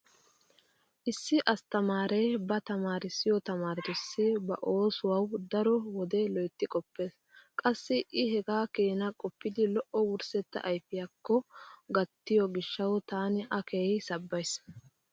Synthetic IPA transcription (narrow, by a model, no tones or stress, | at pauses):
ʔɪsːɪʔɐst̪ɐmaːɾejbɐt̪ɐmaːɾɪsːɪjɔt̪ɐmaːɾɪt̪ɪsːɪbɐ̰ʔo̞ːsʊwɐwd̪ɐɾɔwɔd̪ɛlɔjt̪ːɪkʼɔpːe̞ːs | kʼɐsːɪʔɪɦɛɡaːkeːnɐkʼɔpːɪd̪ɪlɔʔɔwʊɾsɛt̪ːɐ̰ʔjfɪjɐkːɔɡɐt̪ːɪjɔɡɪʃːɐwt̪aːnɪʔɐkeːjsɐbːɐjs